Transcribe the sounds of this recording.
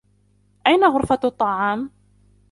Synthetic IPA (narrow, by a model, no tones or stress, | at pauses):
ʔajnaɣʊɾfat̪ˤːɑʕɑːm